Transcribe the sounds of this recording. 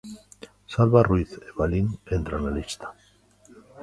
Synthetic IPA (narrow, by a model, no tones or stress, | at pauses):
salβaruiθeβalinent̪ɾanalist̪ḁ